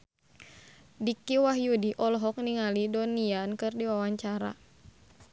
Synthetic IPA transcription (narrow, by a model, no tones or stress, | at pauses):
dikiwaɦjudiʔɔlɦɔk̚niŋalidɔniankɨrdiwawaɲt͡ʃaɾa̰